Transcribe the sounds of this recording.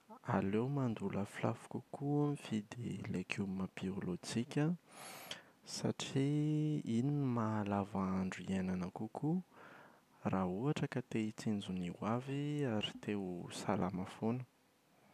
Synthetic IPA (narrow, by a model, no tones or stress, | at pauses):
a̰lewmand̪uləfila̰fu̥kʲukuamifid̪ilekʰumapiolod͡ʒikʲə | sa̰ʈ͡ʂiiniimaːlavaɳɖ͡ʐuienanakukʰu | raɦuaʈ͡ʂəkat̪eit͡sind͡zuniwaviaɾit̪ewsalʔamafonu̥